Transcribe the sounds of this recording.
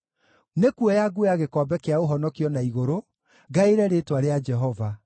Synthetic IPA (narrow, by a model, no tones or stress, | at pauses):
nekwɔjaɡujaɣekɔːbɛkeaoɦɔnɔkiɔnaiɣoɾo | ɡaeɾɛɾetwaɾead͡ʒɛɦɔva